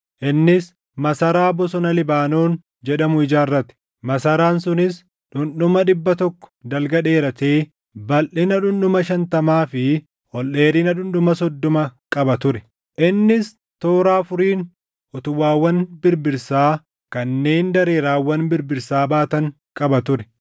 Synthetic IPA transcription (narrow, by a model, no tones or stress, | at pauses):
ʔɪnːɪs | mɐsɐɾaːbɔsɔnɐlɪbaːnoːn | d͡ʒɛᶑɐmʊɪd͡ʒaːrːɐt̪ːɪ̥ | mɐsɐɾaːnsʊnɪs | ᶑʊnɗʊmɐᶑɪbːɐt̪ɔkːɔ̥d̪ɐlɡɐᶑe̞ːɾɐt̪eː | bɐlʔɪnɐᶑʊnɗʊmɐʃɐnt̪ɐmaːfɪ | hɔlʔe̞ːɾiːnɐᶑʊnɗʊmɐsɔd̪ːɔmɐkʼɐbɐt̪ʊɾɛ̥ | ʔɪnːɪs | t̪o̞ːɾaːfʊɾiːn | ɔt̪ʊwaːwːɐnbɪɾbɪɾsaː | kɐnːe̞ːnd̪ɐɾeːɾaːwːɐnbɪɾbɪɾsaːbaːt̪ɐŋ | kʼɐbɐt̪ʊɾɛ̥